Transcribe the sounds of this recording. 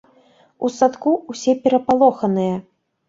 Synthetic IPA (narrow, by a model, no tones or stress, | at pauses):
usat̪kuwsʲɛpʲɛɾɐpalˠɔxɐnɨjɐ